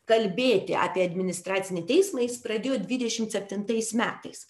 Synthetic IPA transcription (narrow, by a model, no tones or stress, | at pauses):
kɐlʲbʲeːt̪ʲɪɑ̰ːpʲiɛɐd̪ʲmʲɪnʲɪst̪ɾɑːt̪sʲɪnʲɛɪt̪ʲɛɪsmɐjɪspɾɐd̪ʲeːjoːd̪ʲʋʲɪd̪ʲɛʃʲɪmt̪sʲɛpʲt̪ʲɪnt̪ɐɪsmʲæːt̪ɐɪs